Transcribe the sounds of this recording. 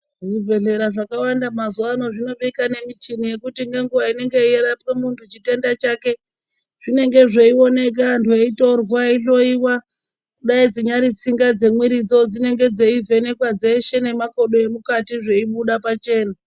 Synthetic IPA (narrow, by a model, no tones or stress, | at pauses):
ʐivʱe̞ɮe̞ɾaʐakawandamazuano̞ʐino̞ɓikane̞mit͡ʃinije̞kutiŋɡe̞ŋɡuwaine̞ŋɡe̞ijeɾapemuntʰut͡ʃite̞ndat͡ʃaːke̞ | ʐ̥ine̞ŋɡe̞ʐe̞io̞ne̞k̬andʰoito̞rwaiɬo̞iwa | kuɗaid͡ziɲaɾit͡siŋɡad͡ze̞mwiɾid͡zo̞d͡zine̞ŋɡe̞d͡ze̞ivʱe̞ne̞kwad͡ze̞ʃe̞ne̞mako̞ɗoje̞mukatiʐe̞iɓuɗapat͡ʃe̞ːna